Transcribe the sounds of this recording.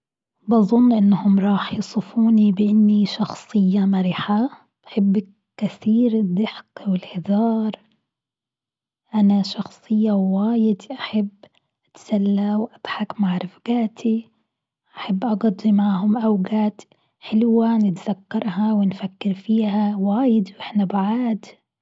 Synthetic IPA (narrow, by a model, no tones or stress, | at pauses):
bɑðˤʊnːʔɪnːhʊmɾˤɑːħjɑsˤɨfuːnibɪʔɪnːiʃɑxsˤɨjːamaɾiːħa | b̥aħɪbː | kɪθiːɾɪd̪ɪħqwɪlhɪd̪ɑːɾˤ | ʔanaʃɑxsˤɨjːawaːjɪd̪ʔaħabː | ʔɪt̪salːawʔad̪̥ħakmaʕɾˤɪfɡaːt̪ʰi | ʔʔaħabːʔɑɡɑd̪ˤːimaʕhʊmʔawɡaːt̪ | ħɪlwanɪt̪zakːɑɾˤɦawɪnfakːɪɾfiːɦawaːjɪd̪wʔɪħnabaʕaːd̪